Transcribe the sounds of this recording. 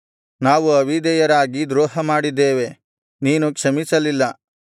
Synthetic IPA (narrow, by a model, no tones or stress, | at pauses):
naːʋuɐʋʱid̪ɛjɐɾaːɡid̪ɾɔːɦɐmaːɽid̪ːeːʋe̞ | niːnukʂɐmisɐlilːɐ